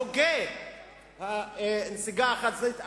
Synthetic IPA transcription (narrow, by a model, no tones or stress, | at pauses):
oɡe | hanesiɡaːχat̪zeit̪a